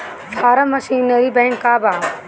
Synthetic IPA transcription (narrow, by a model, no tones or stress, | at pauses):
fʰaːɾɐmɐsiːnːɐɾibẽːɳkaːbaː